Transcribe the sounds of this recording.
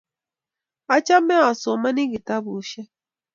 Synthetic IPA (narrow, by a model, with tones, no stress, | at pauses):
a˦t͡ʃa˦mɛ˦a˨sɔ˨ma˦ni˦ɡi˨ta˦bu˨˦ʃɛ˦